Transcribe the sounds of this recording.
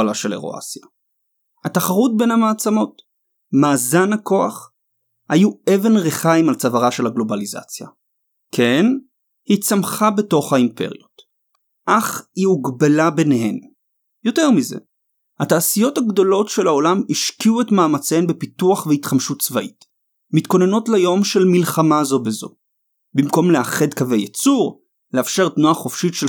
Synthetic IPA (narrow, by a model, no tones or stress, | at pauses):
laʃe̞le̞̰ʁo̰ʔa̰sja | hataχaʁut̚be̞nhamaːt͡samo̞t | maːzanhako̞aχ | hajue̞ve̞nʁeχaimalt͡savaʁaʃe̞lhaɡlo̞baliza̰t͡sja̰ | kʰe̞n | hit͡samχabe̞to̞χhaimpe̞̰ʁijot | ʔaχhiuɡbalabeneɦe̞m | jo̞te̞ʁmize̞̰ | hataːsijo̞thaɡdo̞lo̞tʃe̞lao̞lamiʃkiuetmaːmat͡senbepituaχveitχamʃutt͡svaʔit | mitko̞ne̞no̞tlajo̞mʃe̞lmilχamazo̞bezo̞̰ | bimko̞mleaχe̞dkave̞jet͡suʁ | leafʃe̞ʁtnuaχofʃitʃe